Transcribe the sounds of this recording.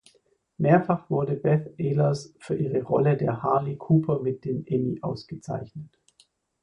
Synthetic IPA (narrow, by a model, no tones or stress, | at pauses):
meːɐfaχv̥ʊɐdəbɛθʔeːlɐsfyːɐʔiːʁəʁɔlədeːɐhaɐlikʰuːpʰɐmɪt̚d̥eːmʔɛmiʔa̰ʊsɡ̥ət͡sa̰ɪçnət